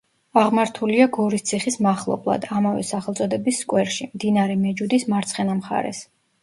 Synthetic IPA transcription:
aʁmaɾt̪ʰuliaɡɔɾist̪sʰiχismaχlˠɔ̰blˠa̰d̪amavɛ̰saχɛlˠt̪sʼɔd̪ɛbisːkʼwɛɾʃimd̪inaɾɛmɛd͡ʒud̪ismaɾt̪sʰχɛnamχa̰ɾɛ̰s

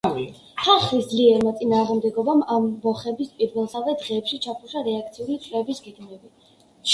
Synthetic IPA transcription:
χaχwisd̪liɛɾmat̪sʼinaːʁmd̪ɛɡɔbamamːɔχɛbispʼiɾvɛlˠsavɛd̪ʁɛːpʃit͡ʃʰapʰuʃaɾɛakʰt̪sʰiulit̪sʰʼlɛbisɡɛɡmɛbi

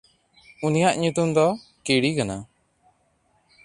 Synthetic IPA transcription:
unijaʔɲut̪umd̪ɔkiɽikana

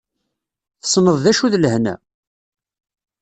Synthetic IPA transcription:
θə̥sˤnəðˤðæʃuðləhnæ̰

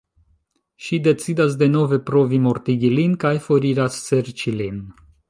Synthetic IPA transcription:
ʃid̪e̞t͡sid̪as̬d̪eno̞vepɾovimoɾt̪iɡʲilinkajfoɾiɾasːeɾt͡ʃilin

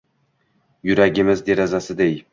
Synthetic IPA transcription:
jʊɾaɡʲɪmɪzd̪e̞ɾazasɪd̪ej

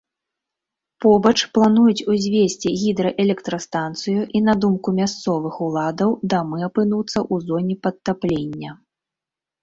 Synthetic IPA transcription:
pɔbɐt͡ʂplˠanujut͡sʲuzʲvʲesʲt͡sʲiɣʲid̪ɾɐʔɛlʲɛkt̪ɾɐst̪ant̪sɨjuʔinad̪umkumʲast̪sɔvɨxulˠad̪ɐwd̪amɨapɨnut̪sːɐʔuzɔnʲipɐt̪ːaplʲenʲːɐ

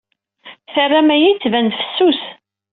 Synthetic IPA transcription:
θərːæmæjit͡sːvænfə̥sːus

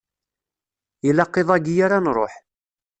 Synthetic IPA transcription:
ilɑqːeðˤæɡijaɾanɾˤo̰ħ

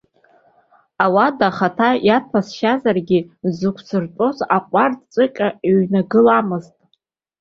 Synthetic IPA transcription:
awadaχatʰajatʰasʃazarɡʲizɨkʷʰsɨrtʼozaqʷʼartʼt͡sʼɨkʲʼaeɥnaɡɨlamɨztʼ

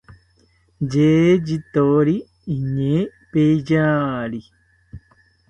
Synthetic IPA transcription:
d͡ʒeːd͡ʒit̪oːɾiː | ɲeːpeid͡ʒaːɾi

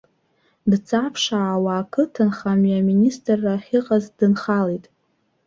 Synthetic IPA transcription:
dt͡sʰapʰʂaːwaːkʰɨtʰɨnχamiaministʼrːaχʲɪqʼazdɨnχalejtʼ

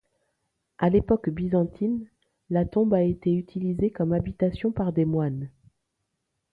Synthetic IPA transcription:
ʔalepɔkbizɑ̃t̪ʰin | lat̪ɔ̃baet̪eyt̪ʰilizekɔmabit̪asjɔ̃paʁd̪emwan

